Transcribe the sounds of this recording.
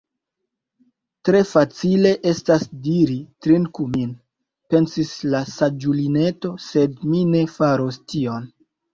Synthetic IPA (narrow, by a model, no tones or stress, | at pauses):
tɾe̞fat͡sile̞ʔe̞stasdiɾitɾinkumin | pe̞nsislasad͡ʒuline̞to̞se̞dmine̞faɾostio̞n